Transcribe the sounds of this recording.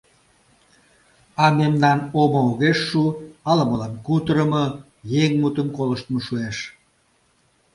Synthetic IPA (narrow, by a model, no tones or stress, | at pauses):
ɑmemnɑnomooɣeʃːuɑləməlɑnkut̪əɾəmə | jeŋmut̪əmkoləʃt̪məʃueʃ